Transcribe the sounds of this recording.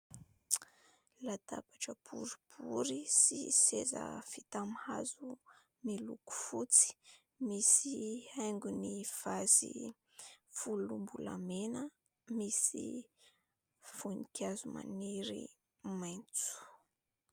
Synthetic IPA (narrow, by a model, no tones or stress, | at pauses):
lat̪apaʈ͡ʂəpuɾi̥pʰuɾisḭsezə̰fit̪amhazu | miluku̥fut͡si̥ | misiajŋɡunifazḭ | fulumbula̰menə | misḭ | funikʲazuma̰niɾḭ | majnt͡su̥